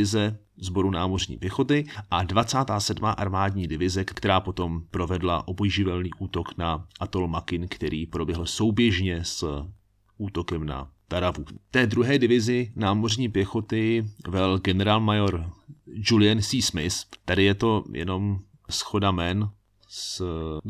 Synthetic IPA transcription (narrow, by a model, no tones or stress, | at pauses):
ɪzɛ | zbo̞ɾunaːmo̞r̝ɲḭːpjɛxo̞t̪ɪʔadvat͡saːt̪aːsɛdmaːʔaɾmaːdɲiːdɪvɪzɛkkt̪ɛɾaːpo̞t̪o̞mpɾo̞vɛdla̰ʔo̞bojʒɪvɛlniːʔuːt̪o̞knaʔat̪olmakɪnkt̪ɛɾiːpɾobjɛɦl̩so̞wbjɛʒɲɛs | ʔuːt̪o̞kɛmna̰t̪aɾavut̪ɛːdɾuɦɛːdɪvɪzɪnaːmo̞r̝ɲiːpjɛxo̞t̪ɪvɛlɡɛnɛɾaːlmajoɾd͡ʒulɪɛnsiːsmɪst̪adɪjɛt̪o̞jʔɛ̰no̞m | sxo̞damɛn | s